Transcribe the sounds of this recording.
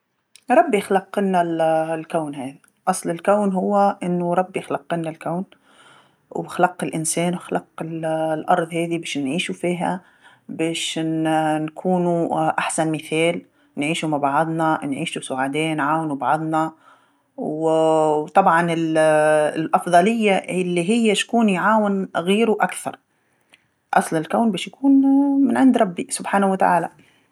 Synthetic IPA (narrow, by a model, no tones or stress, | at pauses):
ɾˤɑbːjɪxlɑqːɪnːallkawnhaːða | ʔɑsˤlɪlkawnɦʊwːaʔɪnːʊɾˤɑbːjɪxlɑqːɪnːalkawn | wɪxalɑqːɪlʔɪnseːnwɪxalɑqːɪllʔɑ̰ɾˤðˤheːðibeːʃnʕiːʃufiːɦa̰ | beːʃnnkʰuːnuʔaħsanmɪθeːl | nʕiːʃumabʕɑðˤnɑnʕiːʃusʊʕad̪eːnʕaːwnubʕɑðˤnɑ | wwwt̪ˤɑbʕɑnɪl | lʔɑfd̪ˤɑlɪjːaɪlːiɦɪjːaʃkuːnjʕaːwɪnɣiːɾuʔakθɑ̰ɾˤ | ʔɑsˤlɪlkawnbeːʃjakuːnmɪnʕɪnd̪ɾˤɑbːisʊbħaːnawat̪a̰ʕa̰ːla